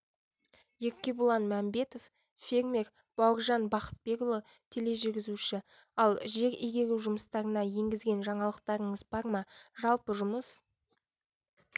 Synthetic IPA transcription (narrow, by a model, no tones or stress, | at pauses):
je̞kʲːe̞bulˠɑnmæmbe̞t̪o̞f | fe̞ɾme̞ɾ | b̥ɑwəɾʒɑnbɑqə̥t̪̚be̞ɡʊlˠə | t̪ʲʰe̞le̞ʒɪɾɡʲɪzuʃɪ | ɑlˠʒe̞ɾijɡʲe̞ɾʲɪʒʊməst̪ɑɾənɑje̞ŋɡʲɪzɡʲe̞nʒɑɴɑlˠəq̚t̪ɑɾəɴəzbɑɾməʒɑlˠpəʒʊməs